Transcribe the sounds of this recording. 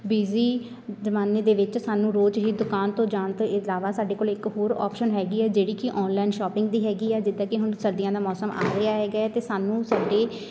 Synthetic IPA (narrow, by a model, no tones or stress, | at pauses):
biːziː | d͡ʒəmaːneːd̪eːʋɪt͡ʃsaːnũːɾoːd͡ʒɦiːd̪ʊkaːnt̪õːd͡ʒaːnt̪oɪlaːʋaːsaːɖeːkoːlɪkɦoːɾɔ̰ːpʃənɦɛːɡiːɛːd͡ʒeːɽiːkɪʔɔːnlaːɪnʃɔːpɪ̃ŋɡd̪iːɦɛːɡiːɛːd͡ʒɪd̪aːkɪɦʊɳsəɾd̪ɪjãːd̪aːmɔːsəma̰ːɾɾɪjaːɦɛːɡaɛːt̪eːsaːnũːsaːɖeː